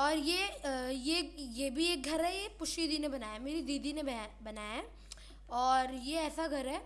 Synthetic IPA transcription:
ɔːɾjejejebʱieːk̚ɡʱɐɾɦɛjepʊʃid̪inebɐnaːjameːɾid̪iːd̪ʱinebɐnaːjaɦ | ɔːɾjeɛːsaɡʱɐɾɦɛː

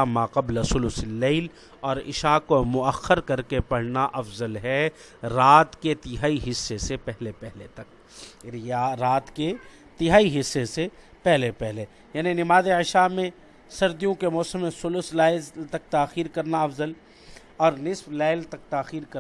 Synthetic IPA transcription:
amaːqɐblsʊlʊslːeːɪl | ɔːɾɪ̰ʃakomʊɐxːəɾkɐɾkepɐɽ̤naʔɐfzəlɦɛ | ɾaːt̪ket̪ɪɦaːiɦɪsːesepɛɦlepɛɦlet̪ɐk̚ | ɾaɾaːt̪ke | t̪ɪɦaːiɦɪsːese | pɛɦlepɛɦle | jaːninɪmaːzeɪʃamẽ | sɐɾd̪ijõkemɔːsəmːẽsʊlʊslaːɪzt̪ɐk̚t̪aːxiːɾkɐɾnaɐfzəl | ɔːɾnɪsflaːlt̪ɐk̚t̪aːxiːɾkɐ

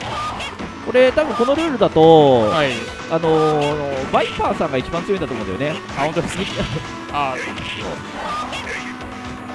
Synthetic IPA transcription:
ko̞ɾe̞t̪ãbɯ̟̃ŋko̞no̞ɾɯ̟ːɾɯ̟d̪at̪o̞ai | ano̞ | baipãːsãŋɡait͡ɕibãnt͡sɨjoĩd̪tomõd̪ejone̞ | ahõnt̪od̪es | a | so̰

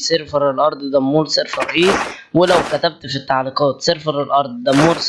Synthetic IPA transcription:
seɾfɑɾˤelʔɑɾˤd̪ˤd̪æmːuːɾseɾfɑɾˤʔeːwelæwkæt̪æb̚t̪fit̪ːaʕliːqɑːt̪seɾfɑɾˤelʔɑɾˤd̪ˤd̪æmːuːɾs

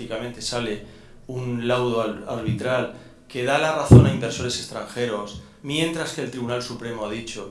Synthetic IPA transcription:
ikamẽ̞nt̪e̞sale̞ | unlawðoaɾβ̞it̪ɾal | ke̞ð̞alaraθo̞naimbe̞ɾso̞ɾe̞se̞st̪ɾaŋxe̞ɾos | mjẽ̞nt̪ɾaske̞ːlt̪ɾiβunalsupɾe̞moaðit͡ʃo̞

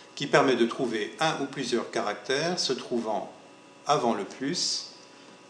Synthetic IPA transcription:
kʲipɛʁmɛd̪ət̪χuveɛ̃ʔuplyzjœʁkaʁak̚t̪ɛːʁsət̪χuvɑ̰̃ | avɑ̃ləplys

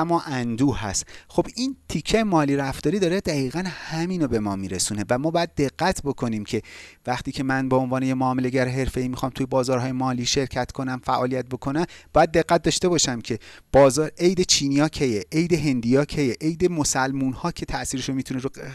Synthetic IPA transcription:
æmːɒːʔænd̪uːæ̰st̪xo̞b̥int̪ʰicʰːejemɒːliɾæft̪ɒːɾiːd̪ɒːɾed̪æɣiːɣænhæmiːno̞be̞mɒːmiːɾe̞suːne̞væmɒːbɒːjæd̪̚ːe̞ɣːæt̪ʰbo̞kʰo̞niːmcʰe̞væχt̪iːcʰe̞mænbeonvɒːnejemoɒːmele̞ɟæɾeɦe̞ɾfe̞iːmixɒːmt̪ʰujebɒːzɒːɾɦɒːje̞mɒːliːʃe̞ɾcʰæt̪kʰo̞næmfæʔɒːlijæt̪̚bo̞kʰo̞næmbɒːjæd̪̚ːe̞ɣːæt̪̚d̪ɒːʃt̪e̞bɒːʃæmcʰe̞b̥ɒːzɒːɾejd̪e̞t͡ʃʰiːnijɒːcʰejeʔejd̪e̞ɦe̞nd̪ijɒːcʰejeʔejd̪e̞mo̞sælmunhɒːcʰe̞t̪ʰæʔsiːɾeʃomit̪ʰuneɾo

